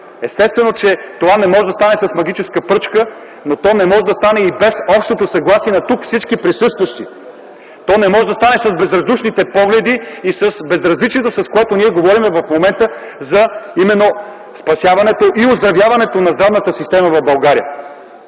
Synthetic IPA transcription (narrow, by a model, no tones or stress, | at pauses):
ɛst̪ɛst̪vɛnot͡ʃɛt̪ovanɛmɔʒɛd̪ɐst̪anɛsɐsmɐɡ̟it͡ʃɛskəpɾɤt͡ʃkə | not̪ɔnɛmɔʒɛd̪ɐst̪anɛibɛsɔpʃt̪ot̪osɐɡlˠasiɛnɐt̪ukfsit͡ʃkipɾisɤst̪vɐʃt̪i | t̪ɔnɛmɔʒɛd̪ɐst̪anɛsɐzbɛzɾɐzd̪uʃnit̪ɛpɔɡlɛd̪iisəsbɛzɾɐzlit͡ʃiet̪osɐskoɛt̪oniɛɡovɔɾimɛvɐfmomɛnt̪ə | zɐimɛnːo | spɐsjavɐnɛt̪oʔiozd̪ɾɐvjavɐnɛt̪onɐzd̪ɾavnət̪əsist̪ɛməvɐvbɐlˠɡaɾiə